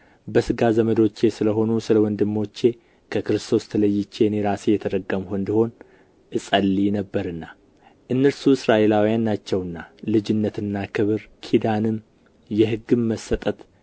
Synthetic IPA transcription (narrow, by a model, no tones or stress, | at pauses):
bəsɨɡazəməd̪o̞t͡ʃːe̞sɨləɦo̞nusɨləwɔnd̪ɨmːo̞t͡ʃːe̞ | kʰəkɨɾɨst̪ʰo̞st̪ʰələjːɪt͡ʃːe̞nɛɾasjɛt̪ʰəd̪əɡːəmhond̪iho̞n | ʔɨsʼəlːinəbːəɾɨnːa | ʔɨnːəɾsuɪsɾaʔe̞lawijanːat͡ʃːɛwɨnːalɨd͡ʒɪnːət̪ɨnːakʰɨβɨɾkʰid̪anɨm | jɛɦɨɡːɨmːəsːət̪ʼət̪